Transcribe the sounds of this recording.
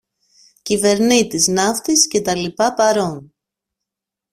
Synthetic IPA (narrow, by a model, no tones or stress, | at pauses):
cive̞ɾnit̪iznɐft̪isce̞t̪ɐlipɐpɐɾo̞n